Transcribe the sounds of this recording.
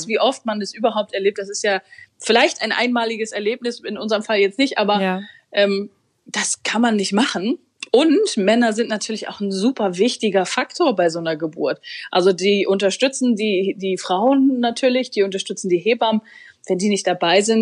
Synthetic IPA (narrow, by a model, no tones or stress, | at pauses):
sv̥iːʔɔftmandasʔyːbɐɦaʊp̚tɛɐleːp̚td̥asɪstjaːfɪlaɪçtaɪnʔa̰ɪnmaːlɪɡəsɛɐleːp̚nɪsɪnʔʊnzəʁəmfaljɛt͡stnɪçtʔaːbɐ | ʔɛːm | d̥askʰanmanːɪçtmaχn̩ | ʔʊntmɛnɐzɪntnatʰyːɐlɪça̰ʊxn̩zuːpʰɐvɪçtɪɡɐfaktʰoːɐbaɪzoːnɐɡəbʊ̰ɐtʔalzodiːʔʊntɐʃtʏt͡sn̩diːdiːfʁ̥aʊənːatʰyːɐlɪçd̥iːʊntɐʃtʏt͡sn̩diːɦeːbam | v̥ɛndiːnɪçt̚d̥abaɪzɪnt̚